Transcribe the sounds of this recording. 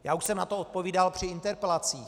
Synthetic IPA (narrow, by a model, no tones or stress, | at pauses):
jaːuʃsɛmnat̪oot̪̚po̞viːdalpr̝̥ɪɪnt̪ɛɾpɛlat͡siː